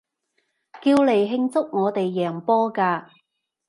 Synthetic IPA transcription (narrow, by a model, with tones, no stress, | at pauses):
kiː˧wle˨˩jɦɪ˧ŋt͡sʊ˥k̚ŋɔː˨˧t̪e˨jːɛː˨˩ŋpɔː˥kaː˧